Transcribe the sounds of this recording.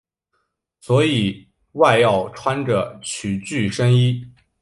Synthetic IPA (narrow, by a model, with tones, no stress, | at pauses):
swɔ˧˥i˨˩ | wa˥˧ɪjɑ˥˩ʊʈ͡ʂʰwa˥nʈ͡ʂə˨˩t͡ɕʰy˨˩t͡ɕy˥˩ʂə˥ŋi˥